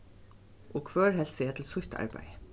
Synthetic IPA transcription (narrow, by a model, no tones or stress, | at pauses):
ʔɔkʰʋœːɹhɛlsəjɛt̪ʰɪlsʊçt̪a̰ɹpæ̰jə